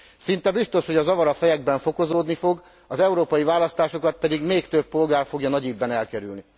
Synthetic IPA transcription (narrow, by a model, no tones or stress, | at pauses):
sint̪ɛbist̪o̞ʃho̞ɟɒzɒvɒɾɒfɛjɛɡbɛɱfo̞ko̞zoːd̪nifo̞ɡ | ɒzɛuɾoːpɒjivaːlɒst̪aːʃo̞kɒt̪̚pɛd̪iɡmeːkt̪øpːo̞lɡaːrfo̞ɡjɒnɒɟiːb̪bːɛnɛlkɛɾy̰lni